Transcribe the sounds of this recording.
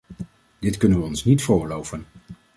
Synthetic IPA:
d̥ɪtkɵnənʋəɔnsnitfʊːlowvən

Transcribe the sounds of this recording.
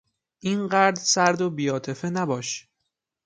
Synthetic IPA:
ʔiːnɢæɾd̪sæɾd̪obiːɒːt̪ʰe̞fe̞næbɒːʃ

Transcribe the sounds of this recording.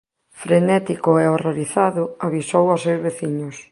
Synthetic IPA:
fɾenɛt̪ikʊɛoroɾiθaðʊaβisowasewzβeθiɲʊs

